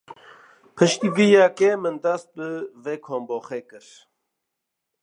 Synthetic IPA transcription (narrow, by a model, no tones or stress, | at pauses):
pʰɨʃt̪iɡijakemɨnd̪ast̪̚bɨveːkʰoːmbɔːxeːkɨɾ